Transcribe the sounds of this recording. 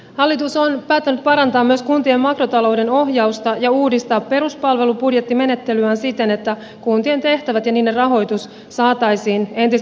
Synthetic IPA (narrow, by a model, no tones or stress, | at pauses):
hɑlːit̪usonpæːt̪ːænyt̪̚pɑɾɑnt̪ɑːmːyø̞skunt̪ie̞mmɑkro̞t̪ɑlo̞wde̞no̞ɦjɑust̪ɑjɑuːdist̪ɑːpːe̞ɾuspɑlʋe̞lupudje̞t̪ːime̞ne̞t̪ːe̞lyænsit̪e̞ne̞t̪ːæ | kunt̪ie̞nt̪e̞ht̪æʋæt̪jɑniːde̞rrɑɦo̞jt̪us | sɑːt̪ɑjsiːne̞nt̪is